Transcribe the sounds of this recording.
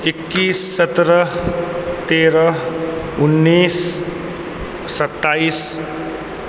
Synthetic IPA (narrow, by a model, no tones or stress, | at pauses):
ekːisːʌt̪ɾʌ | t̪eɾʌ | unːis | sʌt̪ːais